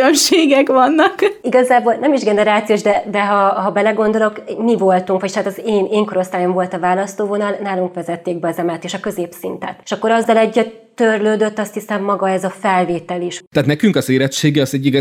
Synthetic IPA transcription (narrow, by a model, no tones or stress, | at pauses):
ømʃeːɡɛkʋɒnːɒkiɡɒzaːboːlnɛmiʒɡɛnɛɾaːt̪sijoːʒd̪ɛd̪ɛɦɒɦɒbɛlɛɡo̞nd̪o̞lo̞kmivo̞lt̪uŋkʋocaːt̪ɒzeːneːŋko̞ɾo̞st̪aːjo̞ɱvo̞lt̪ɒvaːlɒst̪oːvo̞nɒlnaːluŋkʋɛzɛt̪ːeːɡ̚bɛɒzɛmɛlt̪eːʃɒkø̞zeːpsint̪ɛ̰t̪e̥ʃɒkːo̞ɾɒzːɒlɛɟːɛ | t̪ørløːd̪ø̞t̪ːɒst̪hisɛmːɒɡɒɛzɒfɛlveːt̪ɛliʃt̪æːt̪nɛkyŋkɒzeːɾɛtʃeːɡɛɒzɛɟːiɡ